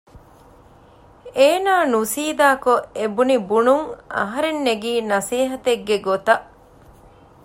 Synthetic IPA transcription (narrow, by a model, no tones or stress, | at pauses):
eːnaːnusiːd̪aːkoebunibunuŋɐ̰ɦɐɾenːeɡiːnɐsiːɦɐt̪eɡːeɡot̪ɐʔ